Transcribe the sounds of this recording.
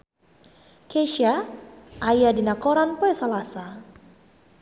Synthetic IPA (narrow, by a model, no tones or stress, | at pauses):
keʃaʔajadinakɔɾanpɔjsalasa